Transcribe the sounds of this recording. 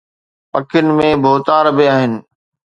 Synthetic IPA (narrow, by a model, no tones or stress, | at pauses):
pɐkʰɪnɪ̆mẽbʱoːt̪aːɾbɪaːɦɪnɪ̆